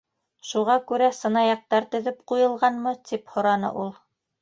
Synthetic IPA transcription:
ʃuʁɑkʉɾæsɤ̆nɑjɑq̚t̪ɑɾt̪ɵ̆ðɘpqujɤ̆lˠʁɑnmɤt̪iphŏɾɑnɤ̰ʔulˠ

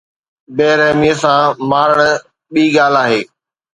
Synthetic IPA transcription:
beːɾɛɦmiəsãːmaːɾəɽ̃ | ɓiːɡaːlaːɦeː

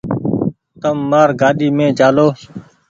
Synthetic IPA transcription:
t̪əmːaːɾɡaːɗiːmẽːd͡ʒaːloː

